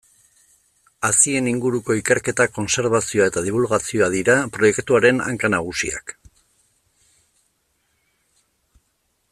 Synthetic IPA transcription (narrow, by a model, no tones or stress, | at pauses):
asie̞niŋɡuɾuko̞ike̞ɾke̞t̪ako̞nse̞ɾβasio̞ae̞t̪aðiβ̞ulɣasio̞aðiɾapɾo̞je̞kt̪uaɾe̞na̰ŋkanaɣ̞usḭa̰k